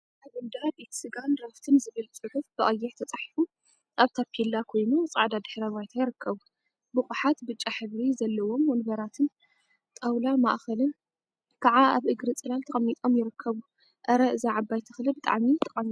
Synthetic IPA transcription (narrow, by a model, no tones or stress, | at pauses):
ʔaβɨnd̪ad̪it̪ʰi̥sɨɡanɾɐft̪ʰɨnzɨβɨlt͡sʼɨħufb̥ɐʔʼɐjːɛɾt̪ʰɐt͡sʼaħifu | aβt̪ʰakʰilːakʰo̞jnut͡sʼaʕd̪ad̪ɨħɾɐβajt̪ʰajɪɾɨkʰːɐβu | bɨxʼuħat̪bɨt͡ʃʼːaħɨβɾizɐlːɐwo̞mɔnbɐɾat̪ʰɨn | t̪ʼawlama̰ʔxɐlɨn | kʰaʕaaβʔɨɡɾɨt͡sʼɨlalt̪ʰɐχʼɐmːit̪ʼo̞mjɪɾɨkʰːɐβu | ʔɐɾɐɨzaʕabajt̪ʰɨxlɨbɨt̪ʼa̰ʕmit̪ʰɐχʼɐmːi